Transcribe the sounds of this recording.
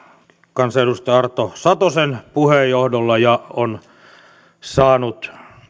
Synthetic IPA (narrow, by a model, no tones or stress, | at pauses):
kɑnsedust̪ɑɑrt̪ːosɑt̪osenpuhejːohdolːɑjɑon | sɑːnut̪